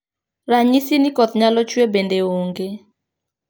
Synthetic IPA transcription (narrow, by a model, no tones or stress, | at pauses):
ɾaɲisinikɔt̪ɲalɔt͡ʃwebendeoŋɡe